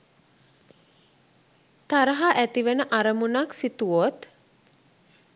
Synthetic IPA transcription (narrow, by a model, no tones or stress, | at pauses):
t̪aɾəɦaʔæt̪iʋenəʔaɾəmunaksit̪uot̪